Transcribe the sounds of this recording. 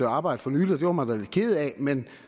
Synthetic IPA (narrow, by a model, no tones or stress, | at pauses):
øɑ̈ːb̥ɑ̈ɪ̰d̥əfɒ̽nyːli̥ɒd̥e̝ʋɐmɑd̥æle̝d̥̚kʰe̝ːð̞̩ˠɛmen